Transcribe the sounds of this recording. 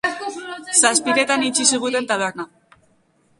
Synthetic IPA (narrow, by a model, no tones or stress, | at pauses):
saspiɾe̞t̪anit͡ʃisiɣ̞ut̪e̞nt̪aβe̞ɾna